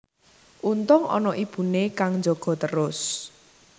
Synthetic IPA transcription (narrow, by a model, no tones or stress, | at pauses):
ʔunt̪ʊŋɔ̰nɔʔib̥ṳnekaŋnd͡ʒoɡ̥ɔ̤t̪əɾʊs